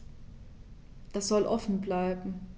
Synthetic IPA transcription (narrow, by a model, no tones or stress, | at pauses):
d̥asz̥ɔlʔɔfn̩blaɪbm̩